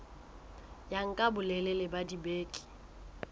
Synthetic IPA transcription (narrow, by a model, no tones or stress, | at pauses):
jaŋ̩kʼabʊlɛlɛlɪbadibeːkʼɪ̥